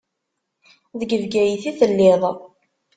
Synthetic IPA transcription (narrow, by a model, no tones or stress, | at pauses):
ðəɡəvɡæjiθiθəlːɪðˤ